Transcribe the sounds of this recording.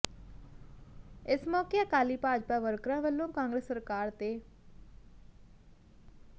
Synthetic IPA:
ɪsmɔːkjəkaːlipaːd͡ʒpaʋəɾkɾãʋəlːõkãːŋɡɾeːsːəɾkaːɾt̪eː

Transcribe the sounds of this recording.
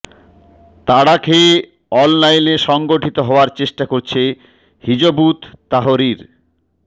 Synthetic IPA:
t̪aɽakʰe | ɔnlajneʃɔŋɡoʈʰit̪oɦɔoaɾt͡ɕeʃʈakoɾt͡ɕʰe | hid͡ʑobut̪ːaɦoɾiɾ

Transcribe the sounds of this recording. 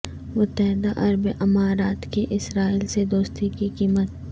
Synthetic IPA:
mʊt̪ːəɦɪd̪aʔɐɾbʔɐmaːɾaːt̪keʔɪsɾaːiːlsed̪oːst̪ikikiːmət̪̚

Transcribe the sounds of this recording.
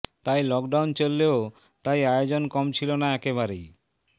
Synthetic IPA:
t̪ajlɔkɖawnt͡ɕolːeo | t̪ajaeod͡ʑonkɔmt͡ɕʰilonaɛkeβaɾej

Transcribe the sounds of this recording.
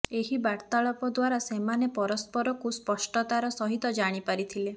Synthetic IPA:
eɦibaɽt̪aɭɔpɔd̪waɾasemanepɔɾɔspɔɾɔkuspɔsʈɔt̪aɾɔsɔɦit̪ɔd͡ʒaɽ̃ipaɾit̪ʰile

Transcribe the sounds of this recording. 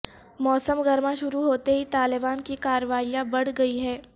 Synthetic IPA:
mɔːsəmɡɐɾmãʃʊɾuɦoːt̪eɦit̪aːlɪbaːnkikaːɾʋaːijãbɐɽ̤ɡɐiɦɛː

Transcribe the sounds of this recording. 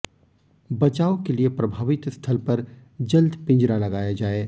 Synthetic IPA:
bɐt͡ʃaːokeliepɾɐbʱaːʋɪt̪st̪ʰɐlpɐɾ | d͡ʒɐld̪pɪ̃nd͡ʒɾalɐɡaːjad͡ʒaːeː

